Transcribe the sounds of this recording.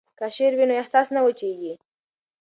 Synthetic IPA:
kaʃeɾwinoehsɑsnawət͡ʃeɡi

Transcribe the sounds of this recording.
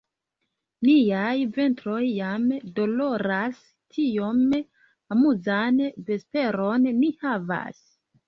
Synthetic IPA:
nijajve̞ntɾo̞jːamdo̞lo̞ɾas | tʰijo̞m | amuzanve̞spe̞ɾo̞nːihava̰s

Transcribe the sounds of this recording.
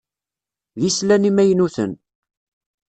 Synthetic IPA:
jislænimæjnuθə̰n

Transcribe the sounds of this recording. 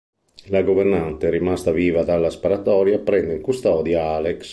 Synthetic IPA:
laɡovɛrnant̪eɾimast̪aviːvad̪alːaspaɾat̪ɔːɾjapɾɛnd̪eŋkust̪ɔːd̪jaaleks

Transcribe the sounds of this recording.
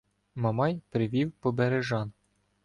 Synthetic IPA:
mɐmɑjpɾɪʋʲiwpɔbeɾeʒɑn

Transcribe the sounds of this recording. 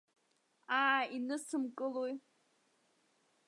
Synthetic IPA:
aːinɨsɨmkʼɨloj

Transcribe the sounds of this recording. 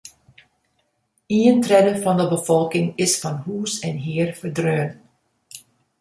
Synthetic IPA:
iəntrɛdəvɑndəbəvɔlˠkɪŋɪsfɑnɦuːsɛnɦɪːrfəɹdrøːn

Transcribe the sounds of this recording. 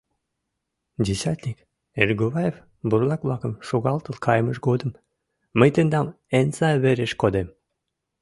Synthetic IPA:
d̪ʲesʲat̪nʲik | erʲɡoβajef | buɾlˠɑkvlˠɑkəmʃoɣɑlˠt̪əlˠkʰɑjməʃɡod̪ə̆mː | əjt̪end̪ɑm | ensɑβeɾeʃkod̪em

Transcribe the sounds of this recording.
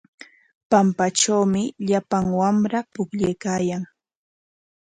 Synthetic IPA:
pampat͡ʃawmɪʎapaŋwamɾapʊkʎajkaːjaŋ

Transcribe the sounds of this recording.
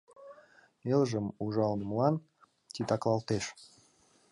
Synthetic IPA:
melʒəmuʒɑlnəmlɑn | t̪ʲit̪ɑklɑlt̪eʃ

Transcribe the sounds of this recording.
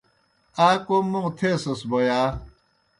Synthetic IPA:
akʷʊmʊtʰesʊsbɔja

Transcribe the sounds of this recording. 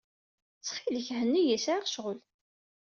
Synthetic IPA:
t͡sːχiləçhənːijæsʕaʁʃʁəl

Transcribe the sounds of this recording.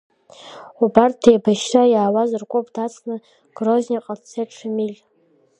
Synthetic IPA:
ubart̚dejbaʃrajaːwazɨrkʷʼopʰʼdat͡sʰʼnɨ | ɡ̥rozʲnʲiqʼart͡sʰeʈ͡ʂʰɨmilʲ

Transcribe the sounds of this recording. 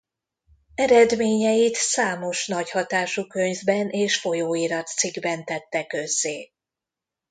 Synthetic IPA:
ɛɾɛd̪meːɲɛjit̪saːmo̞ʃn̪ɒchɒt̪aːʃukøɲvbɛnʔeːʃfo̞joːiɾɒt̪siɡbɛnt̪ɛt̪ːɛkø̞zːeː

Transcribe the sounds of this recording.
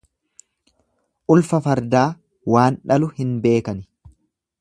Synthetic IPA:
ʔʊlfɐfɐɾd̪aː | waːnᶑɐlʊhɪnbe̞ːkɐnɪ

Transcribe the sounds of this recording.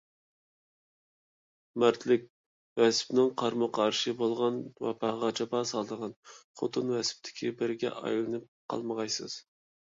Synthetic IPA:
mæɾt̪ʰlɪkʲ | wɛspnɪŋqʰɑɾmʊqʰɑɑɾʃɨbolˠʁɑnwɛ̰pʰɑʁɑt͡ʃʰɑpɑːsɑlˠd̪əʁɑnχot̪ʰɨnwɛsp̚t̪ʰɪ̥kʲʰibɪɾɡʲɛ̰ʔɑ̰jlˠɨnɨp̚qʰɑ̰lˠməʁɑjsɨz̥

